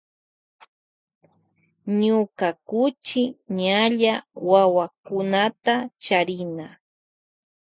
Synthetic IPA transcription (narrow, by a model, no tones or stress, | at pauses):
ɲʊkakʊt͡ʃɪɲaʎawawakʊnat̪at͡ʃaɾɪna